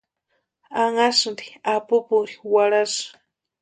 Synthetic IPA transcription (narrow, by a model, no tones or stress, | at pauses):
aŋasndi̥apʊpʊɾiwaɽas